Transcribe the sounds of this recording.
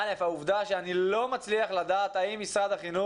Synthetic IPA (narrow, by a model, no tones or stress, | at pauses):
le̞fhauvd̪aʃeanilo̞mat͡sliaχlad̪aːt̪aimːisʁad̪aχinu